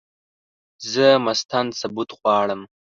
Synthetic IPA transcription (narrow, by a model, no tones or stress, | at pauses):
zəmast̪ansabut̪ɣwɑːɽəm